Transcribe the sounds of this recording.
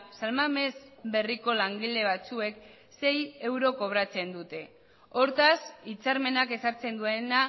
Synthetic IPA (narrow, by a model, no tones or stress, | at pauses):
salmame̞zbe̞riko̞laŋɡild̪e̞βat͡sue̞k | se̞je̞wɾo̞ko̞β̞ɾat͡se̞nd̪ut̪e̞ | o̞ɾt̪asit͡saɾme̞nake̞saɾt͡se̞nd̪ue̞na